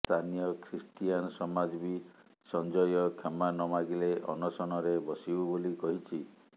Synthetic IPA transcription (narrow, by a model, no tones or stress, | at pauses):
t̪ʰanijɔkʰɾisʈijanɔsɔmad͡ʒbi | sɔnd͡ʒɔjɔkʰemanɔmaɡileʔɔ̰nɔsɔɽ̃ɔɾebɔsibubolikɔɦit͡ʃʰi